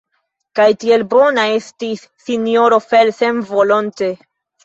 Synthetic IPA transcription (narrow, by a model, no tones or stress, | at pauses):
kajtie̞lbo̞nae̞stisːinjo̞ɾo̞felsenvo̞lonte̞